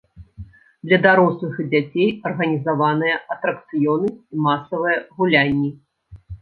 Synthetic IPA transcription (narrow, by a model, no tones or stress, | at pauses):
d̪lʲɐd̪aɾɔslˠɨxd͡zʲat͡sʲejɐrɣɐnʲizavanɨjɐʔɐt̪ɾɐkt̪sɨjɔnɨsʲimasɐvɨjɐɣulʲanʲːi